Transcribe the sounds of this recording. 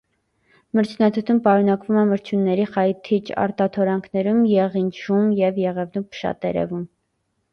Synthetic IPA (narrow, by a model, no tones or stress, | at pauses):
məɾt͡ʃʰnɑt̪ʰut̪ʰumpɑɾunɑkvumɛməɾt͡ʃʰjunːɛɾiχɑjt̪ʰit͡ʃɑ̰ɾt̪ɑt̪ʰɔɾɑŋkʰnɛɾumjɛʁint͡ʃʰʒumjɛvjɛʁɛvnupʰə̥ʃɑ̰t̪ɛɾɛ̰vum